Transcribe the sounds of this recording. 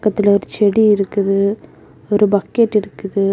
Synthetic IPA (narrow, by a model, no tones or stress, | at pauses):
kːɐt̪ːɪlɐɔɾɯt͡ʃɛɽiɪɾɯkːɯðɯ | ɔɾɯbɐkːeːʈːɪɾɯkːɯðɯ